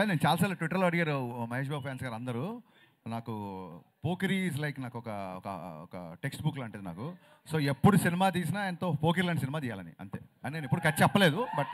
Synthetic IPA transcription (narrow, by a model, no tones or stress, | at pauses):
aneːnut͡ʃaːlɐsaːlɐʈʋiʈːɐɾloːɐɽiɡaːɾumɐɦeːʃ̬baːbfʰaːnsɡaːɾɐnd̪ɐɾu | naːku | poːkɐɾis̬lɐjknaːkuɔkɐ̰kɐ̰ɔ̰kɐ̰ʈeksʈbukloːɐɳʈed̪ina̰ːku | so̞ːepːuɽusinimaːt̪̬iːs̬inaːenɐt̪oːɐpoːkɐɾlɐɳʈis̬inimaːt̪ijaːlɐnḭɐ̰nt̪e̞ːɐnnenipːuɽukɐʈːt͡ʃɛpːɐle̞ːd̪ubɐʈ̚